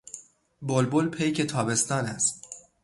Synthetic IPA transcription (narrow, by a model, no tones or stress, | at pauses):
bolbolpʰejkʰet̪ʰɒːbe̞st̪ɒːnæs